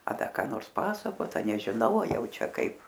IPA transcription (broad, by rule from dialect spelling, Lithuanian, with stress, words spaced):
ɐ ˈdɐ kɑː ˈnoːrs ˈpɑːsɐkoːt ɐ nʲɛʒʲɪˈnɐʊ ɐ ˈjɛʊ ˈt͡ʃʲɛ ˈkɐɪp